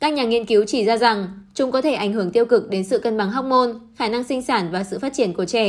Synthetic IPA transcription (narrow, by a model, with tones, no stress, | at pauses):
kaː˦˥k̚ɲaː˨˩ŋi˧ənki˨˦wt͡ɕi˧˩zaː˧za˨˩ŋt͡ɕʊ˨˦ŋ͡mkɔ˨˦t̪ʰe˧˩ʔa˧˩jŋ̟hɨ˧˩əŋt̪i˧əwkɨ˨˩k̚ɗe˨˦nsɨ̰˧˨kə˧nɓa˨˧˩ŋɦa˦˥k͡p̚ŋo˧nxaː˧˩na˧ŋsï˧ŋ̟saː˧˩nvaː˨˩sɨ̰˧˨faː˦˥t̚t͡ɕi˧˩ənku˧˩t͡ɕɛ˧˩